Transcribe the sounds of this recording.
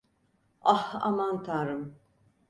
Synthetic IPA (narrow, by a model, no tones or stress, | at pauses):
aha̰mant̪ʰaɾɯm